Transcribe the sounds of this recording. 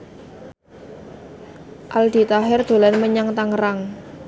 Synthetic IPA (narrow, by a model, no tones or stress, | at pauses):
ʔald̪̥i̤t̪aɦɛrd̪̥o̤lanməɲaŋt̪aŋɾaŋ